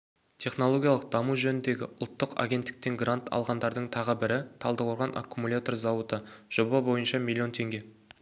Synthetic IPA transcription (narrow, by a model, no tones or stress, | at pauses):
t̪ʲʰe̞χno̞lˠo̞ɡʲijalˠəq̚d̪ɑmuʒɵnɪnd̪e̞ɡʲɪʔʊlˠt̪ːəqa̰ɡʲe̞nt̪ːɪ̥k̚t̪eŋɡrant̪ʰɑ̰lˠʁɑnd̪ɑɾd̪əɴt̪ʰɑʁəbɪɾɪt̪ʰɑlˠd̪əqʰoɾʁɑnʔa̰kʰːumulʲat̪o̞rzɑwət̪əʒ̥o̞bɑbo̞jənʃɑmilʲːio̞nt̪ʰe̞ŋɡʲe